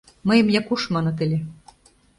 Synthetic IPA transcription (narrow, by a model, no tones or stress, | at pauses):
mɤjə̆mjɑkuʃmɑnɤ̆t̪ɘ̆lʲe